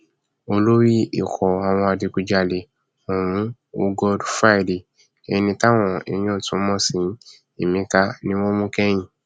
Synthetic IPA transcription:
o˧lo˦wi˦i˨kʰɔ˨a˨w̃ɔ̃˧a˨di˧ku˧d͡ʒa˧le˧ | o˨w̃ũ˨˦ | u˦ɡɔ˦dfa˦˨li˨ | ɛ˧nĩ˧ta˦w̃ɔ̃˧˨e˨˧˦j̃ɔ̃˦˨tũ˨˦mɔ̃˦sĩ˨˦ | e˨mĩ˧ka˧nĩ˦wo˦mũ˦kɛ˦j̃ĩ˨

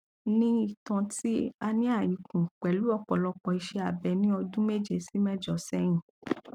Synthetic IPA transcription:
nĩ˦i˦˨tã˧ti˦a˧nĩ˦a˦˨ji˨˦kũ˨k͡pɛ˨˦lu˨˦ɔ˦˨k͡pɔ˨lɔ˧k͡pɔ˧i˧ʃɛ˧a˨bɛ˨˧nĩ˦ɔ˧dũ˦me˦d͡ʒe˨si˦mɛ˦d͡ʒɔ˨sɛ˧˦j̃ĩ˨

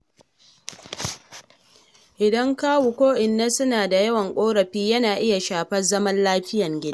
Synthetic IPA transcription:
ʔɪ˨dɐ˦ŋkaː˦wu˨kʷoː˦ʔɪ˨nːa˦sʊ˦naː˨da˨jɐ˦wɐ˨ŋkʷʼoː˦ɽɐ˨ɸiː˦jɐ˦naː˨ʔɪ˦ja˨ʃaː˨ɸɐ˦zɐ˦mɐ˦nlaː˦ɸɪ˦jɐ˨ŋɡʲɪ˦da˦

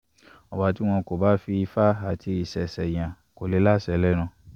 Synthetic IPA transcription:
ɔ˨ba˧˦ti˦w̃ɔ̃˧ko˨ba˦fi˧i˧fa˦a˨tʰi˧i˨sɛ˨sɛ˨j̃ã˨ | ko˨le˨˦la˦sɛ˨˦lɛ˦ñũ˧

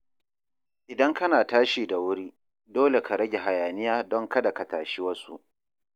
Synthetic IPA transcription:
ʔɪ˨dɐ˦ŋkɐ˦naː˨taː˦ʃiː˨da˨wʊ˦ɾiː˦ | doː˦le˨kʰa˨ɾɐ˦ɡʲe˨ɦa˨jaː˨nɪ˦jaː˦dɔ˦ŋkɐ˦da˨ka˨taː˨ʃi˦wɐ˦sṵ˦ʔ

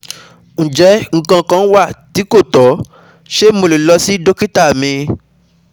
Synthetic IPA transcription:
ñ̩˨d͡ʒɛ˨˦ŋ̩˦˨kã˧˨kã˨˦n̩˦wa˦˨ti˨˦ko˦˨tɔ˨˦ | ʃe˦mo˧le˨lɔ˧si˦do˦ki˦ta˦˨mĩ˧

